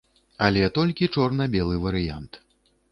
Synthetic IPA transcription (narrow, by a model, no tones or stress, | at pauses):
ɐlʲɛt̪ɔlʲkʲit͡ʂɔrnɐbʲɛlˠɨvɐɾɨjant̪